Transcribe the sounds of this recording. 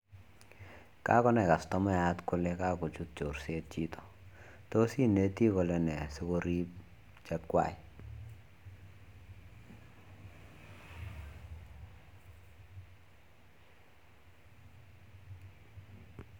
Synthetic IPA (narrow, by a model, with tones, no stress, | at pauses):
ka̰˦kɔ˦nɛ˨ka˨stɔ˦mɛ˦a˦tkʊ˦le˦ka˦kɔ˨t͡ʃu˦t̚t͡ʃo˨ɾse˦t̚t͡ʃi˦tʰɔ̥˨ | to˦si˦ne˨˦ti˦kɔ˨lɛ˦nɛ˨si˦ko˦ɾi˦p̚ | t͡ʃa˦t̚kwa̰˨i˨